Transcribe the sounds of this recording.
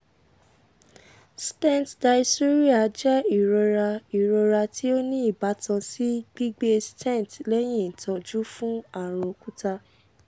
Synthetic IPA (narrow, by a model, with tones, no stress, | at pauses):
stɛ̃˦˨ntda˧i˧su˦ɾi˦a˨d͡ʒɛ˦i˨ɾɔ˧ɾa˧i˨ɾɔ˧ɾa˧tʰi˦o˦nĩ˦i˦˨ba˨˦tʰã˧si˦ɡ͡bi˦ɡ͡be˦stɛ̃˦˨tlɛ˦j̃ĩ˦˨tɔ̃˧d͡ʒu˦fũ˦a˦˨ɾ̃ɔ̃˧ku˦ta˦